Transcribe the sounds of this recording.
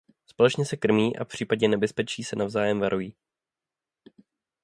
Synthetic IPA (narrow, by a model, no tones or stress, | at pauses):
spo̞lɛt͡ʃɲɛsɛkr̩miːʔa̰fpr̥iːpaɟɲɛnɛbɛspɛt͡ʃiːsɛnavzaːjɛmvaɾʔujiː